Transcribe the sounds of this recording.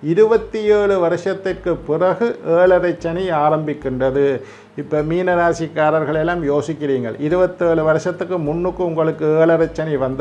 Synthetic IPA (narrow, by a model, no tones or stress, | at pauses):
ɪɾɯbɐt̪ːɪjeːɭɯʋɐɾɯʂɐt̪ːɪrkɯpːɪrɐɣɯʔeːɭɐɾɐɪt͡ʃːɐniaːɾɐmbɪkːɪɳdɐðɯ | ɪpːoːmiːnɐɾaːsɪkːaːɾɐɾɣɐɭɛlːaːmjoːsɪkːɪriːŋɡɐ̰ɭɪɾɯbɐt̪ːɯeːɭɯʋɐɾɯʂɐt̪ːɯkːɯmʊnːɯkːɯʊŋɡɐɭɯkːɯeːɭɐɾɐt͡ʃːɐniʋɐnd̪ɐ